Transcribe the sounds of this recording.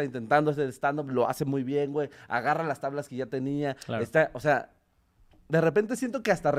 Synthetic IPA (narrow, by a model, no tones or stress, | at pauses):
aint̪e̞nt̪and̪oeseðest̪and̪olo̞a̰semujβje̞ŋɡweja̰ɣaralast̪aβlaskeʝat̪e̞niaest̪aʔosea | d̪e̞re̞pe̞nt̪̬esje̞nt̪o̞keast̪are